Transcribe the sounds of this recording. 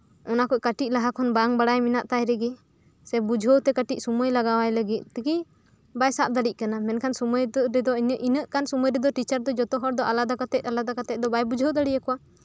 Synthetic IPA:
ɔnakɔʔkaʈit̚ˀlaɦakʰɔnbaŋbaɽajminaʔt̪ajɾɛɡɛ | sɛbud͡ʒʱowt̪ɛkaʈic̚suməjlaɡawajləɡit̪̚ˀt̪iki | bajsap̚d̪aɽic̚kanamɛnkʰansuməj̪ɾɛd̪ɔinəʔinəʔkansuməjɾɛd̪ɔʈit͡ʃaɾd̪ɔd͡ʒɔt̪ɔɦɔɽd̪ɔʔalad̪akat̪ɛc̚alad̪akat̪ɛc̚d̪ɔbajbud͡ʒʱowd̪aɽijakɔwa

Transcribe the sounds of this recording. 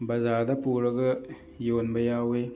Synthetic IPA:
bɐzaɾdɐpuɾəɡɯ | jonbɐjawe

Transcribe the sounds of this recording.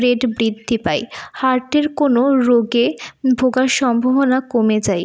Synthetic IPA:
ɾeɖbɾid̪ʱːipajhaɾʈeɾkonoɾoɡebʱoɡaɾʃɔmbʱoɦonakomed͡ʑaj

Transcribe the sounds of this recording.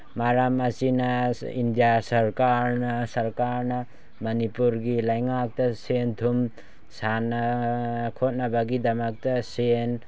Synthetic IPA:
maɾamasinaḭndjasɐɾkaɾnasɐɾkaɾna | mɐnipuɾɡilajŋak̚tɐsendʰʱum | sanakʰot̚nabaɡidamak̚tasen

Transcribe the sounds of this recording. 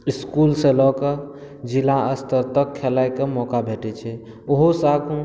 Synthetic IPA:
iskulselɔkə | d͡ʒilãəst̪əɾt̪əkʰːelajkemɔkabʱeʈɛt͡ʃʰɛ | oɦosakũ

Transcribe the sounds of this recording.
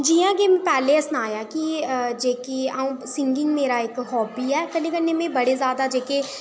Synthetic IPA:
d͡ʒiːãːɡeːmɛ̃pɛːleːəsnaːjaːkid͡ʒeːkiaːũːsɪŋɡɪ̃ŋɡmeːɾaːɪkɦɔːbiːɛːkənẽːkənẽːmẽːbəɽeːzjaːd̪aːd͡ʒeːkeː

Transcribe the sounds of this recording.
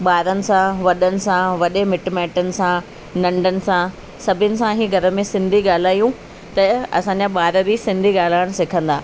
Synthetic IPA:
ɓaːɾənɪ̆sãʋɐɗənɪ̆sãʋɐɗemɪʈmɛːʈənɪ̆sã | nɐ̃ɳɖʱənɪ̆sã | sɐbʱɪnɪ̆sãɦiːɡʱɐɾə̆mẽsɪ̃nd̪ʱiɠaːl̤aːjũ | t̪ɐɐ̰sãːɲd͡ʑaɓaːɾəbisɪ̃nd̪ʱiɠaːl̤aːɪɽ̃sɪkʰə̃nd̪aː

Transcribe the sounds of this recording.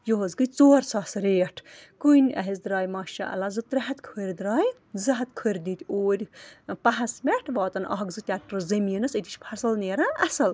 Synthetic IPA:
joɦɐzɡɨt͡soːɾsaːsɾeːʈʰkujnʲɐ̰ɦizd̪ɾaːjmɐːʃɐ̰ʔɐ̰lazɨt̪ɾɐɦɐt̪kʰəːɾʲd̪ɾaːj | zɐɦɐt̪̚kʰəɾʲd̪iːt̪ʲoːɾʲpɐɦɐsmɛʈʰʋɑːt̪ɐnɐ̰ɦɐɡzɨt̪ʲaːʈɾɨzɐmiənɐsɨt̪ʲiʃpʰɐɾsɐlneːɾãːʔɐsɐl

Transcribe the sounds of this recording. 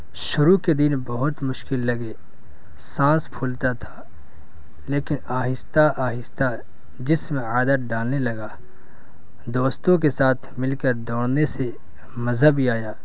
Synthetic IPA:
ʃʊɾuked̪ɪnbɐɦʊt̪mʊʃkɪlːɐɡeː | sãːspʰʊlt̪at̪ʰḁː | leːkɪnaːɦɪst̪aʔaːɦɪst̪a | d͡ʒɪsmẽaːd̪ət̪̚ɖaːlnelɐɡaː | d̪oːst̪õkesaːt̪ʰmɪlkəɾd̪ɔːɽ̃nese | mɐzɦəbiaːjaː

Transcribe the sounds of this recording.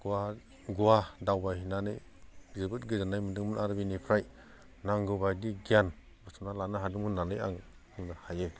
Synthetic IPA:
ɡ̥ua | ɡuadawbajnanɯj | zɯbɯtɡɯzanajmɯdɯŋmɯnaɾbinipʰɾaj | naŋɡɯbajdiɡian | bɯsʰumnalanɯɦadɯŋmɯnːanɯja̰ŋ | ɯŋnahajɯ

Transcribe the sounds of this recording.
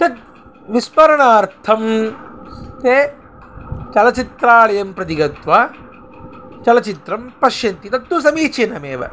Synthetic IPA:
t̪ɐt̪̚ | ʋispɐɾɐɳaːɾt̪ʰɐm | t̪eː | t͡ʃɐlɐt͡ʃit̪ɾaːɭɐjɐmpɾɐt̪iɡɐt̪ʋaː | t͡ʃɐlɐt͡ʃit̪ɾɐmpɐʃjɐnt̪it̪ɐt̪ːus̬ɐmiːt͡ʃenɐmeːʋɐ̰

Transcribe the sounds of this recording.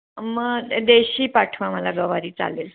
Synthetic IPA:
məɡd̪eɕiːpaʈʰʋaməlaɡəʋaɾiːt͡sa̰lel

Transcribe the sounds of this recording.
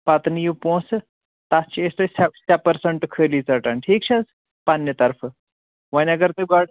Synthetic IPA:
pat̪nijupõs | t̪ast͡ɕiest̪əsasʲapəɾsəɳʈkʰəliːt͡saʈanʈʰiːkt͡ɕʰas | panːjət̪əɾf | ʋənjaɡəɾt̪eɡaɽ

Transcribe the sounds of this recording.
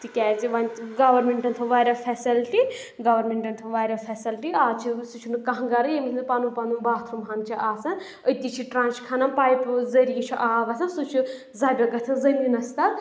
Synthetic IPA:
t̪ikʲɛːziʋɐnʲt̪ɡɐʋɐɾmeɳʈɐnt̪ʰɨʋaːɾʲɐfʰɛsilʈi | ɡɐʋɐɾmʲeɳʈɐnt̪ʰɐʋaːɾʲɐfʰʲɐsilʈiaːt͡ʃʰisut͡ʃʰunɨkɐɦɡɐɾɐjemʲit̪ʲʰnɨpaːnumpanumbaːt̪ʰɾumɦɐnt͡ʃʰiʔaːsɐn | ət̪it͡ʃʰiʈɾãːnt͡ʃkʰɐnɐmpaːjpzɐɾijit͡ʃʰiʔaːʋɐsʲʰɐnsut͡ʃʰu | zaːbʲɐɡɐt̪ʰɐnzɐɾʲinɐst̪ɐ

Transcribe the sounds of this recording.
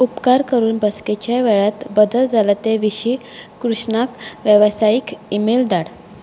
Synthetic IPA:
upkaɾkəɾuːnbəsket͡ɕjaʋɛɭat̪bəd̪əld͡zʱalat̪eʋiɕikɾuʂɳakʋjəʋsajikimeld̪aɽ

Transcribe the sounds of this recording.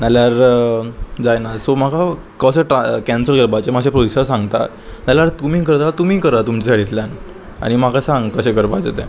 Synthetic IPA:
naljaɾ | d͡zajnasom̤aka | kəsəʈakæ̃nsəɾɡəɾbat͡semaɕẽpɾodisəɾsaŋɡt̪a̰ | naljaɾt̪umiːk̬əɾt̪alat̪umiːkəɾat̪umt͡ɕeaɽit̪ljan | a̰ɽ̃im̤akasãŋɡkəɕẽɡəɾbat͡set̪ɛ̰̃

